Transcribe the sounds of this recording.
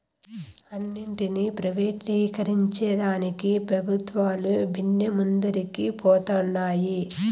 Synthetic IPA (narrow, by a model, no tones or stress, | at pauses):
ɐnːiɳʈinipɾɐʋeːʈiːkɐɾiɲt͡ʃɛːd̪aːnikipɾɐbʱut̪ʋaːlubʱinːjɐmund̪ɐɾikipɔːt̪ɔnːaːji